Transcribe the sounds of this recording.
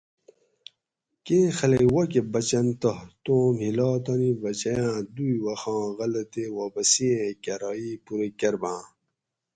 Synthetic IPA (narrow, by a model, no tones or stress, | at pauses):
keːxɐlejwɐkebɐt͡ɕɐnt̪ɐht̪õːmhilɑːt̪ɐnibɐt͡ɕɐjãːd̪ujwɐxɑ̃ːɣɐlɐt̪ewaːpɐsiẽkɐɾɑipuɾekɐɾbãː